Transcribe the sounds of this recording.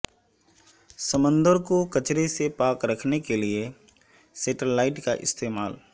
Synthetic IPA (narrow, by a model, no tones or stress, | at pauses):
səmə̃nd̪əɾkokət͡ʃɾesepaːkɾəkʰnekelie | seːʈəlːaːɪʈkaʔɪ̰st̪ʰeːmaːl